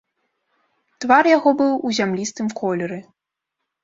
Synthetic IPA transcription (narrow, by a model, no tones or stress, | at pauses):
t̪varjaɣɔbɨwuzʲamlʲist̪ɨmkʰɔlʲɛɾɨ